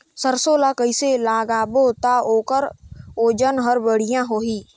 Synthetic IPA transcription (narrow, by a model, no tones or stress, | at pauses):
səɾsoːlakəiselaːɡaːbot̪aoːkəɾoːd͡ʒənɦəɾbəɽ̤ɪjãɦoːɦiː